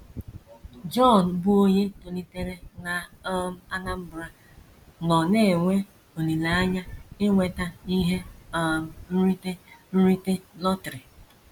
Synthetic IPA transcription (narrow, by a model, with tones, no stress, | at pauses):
d͡ʒɔ˦˨n˨bʊ˦o˦ɲe˦to˨li˨te˦ɾe˦na˨ɔ˦m̩˦a˦na˦m̩˦bʊ˨ɾa˦ | nɔ˨ne˦˨ŋʷe˦ | o˨li˨la˨a˦ɲa˦ɪ˦ŋʷe˨ta˦i˦ɦe˦ɔ˦m̩˦n̩˦ɾi˦te˦n̩˦ɾi˦te˦lɔ˦tɾe˨